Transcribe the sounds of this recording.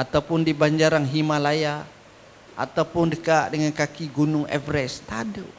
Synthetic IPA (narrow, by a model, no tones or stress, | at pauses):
at̪awpʊndibaɲd͡ʒaɾaŋɦimalaja | ʔa̰t̪awpʊndəkaʔdəŋankakiɡunʊŋɛ̰vɾɛst̪adu